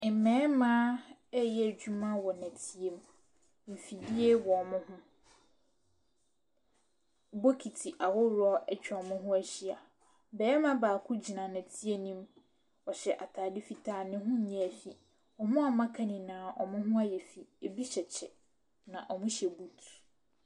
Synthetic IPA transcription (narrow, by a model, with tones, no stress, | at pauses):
mɛ̃ː˨˦mãː˦ɛ˦jɛ˦˨d͡ʑᶣu˦mã˦wɔ˨næ̃˨tʰi˨e˨m | m̩˨fi˨di˦e˦wɔ˨mʊ̃˦hʊ̃˦ | bo˦kʰi˨tʰi˨ʔa˨wɔ˦ɾʊ˦ɔ˦ʔɛ˦t͡ɕᶣɛ˨ɔ˨mʊ̃˦ɦʊ̃˦æ˦ɕi˦a˨ | bɛː˨˦ɛ˦mã˦baː˨kʰʊ˦d͡ʑi˨nã˨næ̃˨tʰi˦e˦nĩ˦m | wɔ˨ɕɛ˨ʔa˨tʰaː˨dɪ˦fi˨tʰaː˦˨nɪ̃˦ɦʊ̃˦ɲɛ̃˦˨æ˨fi˨ | ɔ˨mʊ̃˦ɔ˨mã˦kʰã˦nĩ˨nãː˨ʔɔ̰˨mʊ̃˦ɦʊ̃˦a˦jɛ˨fi˨e˨bi˦ɕɛ˨t͡ɕʰɛ̰˨ | nã˨ʔɔ˨mʊ̃˦ɕɛ˨bu˨tʰ